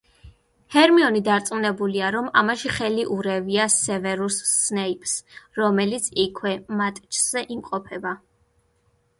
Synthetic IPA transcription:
hɛɾmiɔnid̪aɾt̪sʼunɛbuliaɾɔmamaʃiχɛliʔuɾɛviasɛvɛɾusːnɛipʼsɾɔmɛlit̪sʰikʰwɛmat̪ʼt͡ʃʰz̥ɛʔimqʼɔpʰɛba

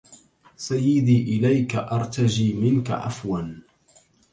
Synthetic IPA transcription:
sajːɪd̪iːʔɪlajkaʔɑɾˤt̪ad͡ʒiːmɪnka̰ʕa̰fwan

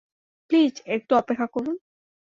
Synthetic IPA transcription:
plid͡ʑek̚ʈuɔpekʰːakoɾun

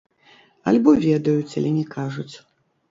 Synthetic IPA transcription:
ɐ̰lʲbɔvʲɛd̪ɐjut͡sʲɐ̰lʲɛnʲɛkaʐut͡sʲ

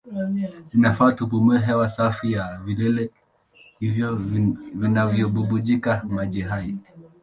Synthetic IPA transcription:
ninafatupumɛɦɛwasafijavilɛlɛ | hivjɔvinavjɔbubud͡ʒikamad͡ʒɛɦai

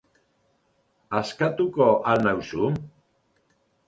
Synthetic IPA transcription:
askat̪ukoʔanawsu

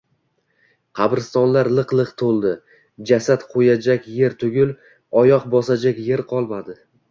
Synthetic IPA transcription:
qʰɑbɾɪst̪ɒnlaɾlˠɨqlˠɨqt̪ʰolˠd̪ɪ | d͡ʒasat̪qʰojad͡ʒakʲje̞ɾt̪ʰʊɡʲɪlˠ | ɒjɒqbɒsad͡ʒakʲje̞ɾqʰɒlˠmad̪ɪ

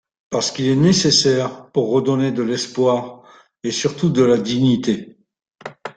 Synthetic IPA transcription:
paʁsə̥kilɛnesesɛʁpuʁːəd̪ɔned̪əlɛspwaʁ | esyʁt̪ud̪əlad̪iɲit̪e

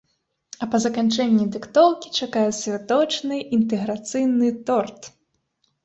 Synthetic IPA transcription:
ɐpɐzɐkant͡ʂɛnʲːid̪ɨkt̪ɔwkʲi̥t͡ʂakajɛsʲvʲat̪ɔt͡ʂnɨʔint̪̬ɛɣɾat̪sɨjnɨt̪ɔrt̪

